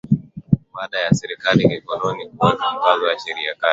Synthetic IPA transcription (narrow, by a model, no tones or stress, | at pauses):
ɓaɗajasɛɾikalikikɔlɔnikuwaniukazɔjaʃɛɾiaka